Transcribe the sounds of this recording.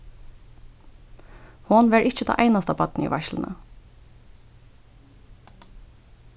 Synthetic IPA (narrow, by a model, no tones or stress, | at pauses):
hɔnʋeɹʔɪc͡çət̪ʰɑ̰ːʔæɪnɑst̪ɑpʰɑt̪n̩ʔḭːʋæçlnə̰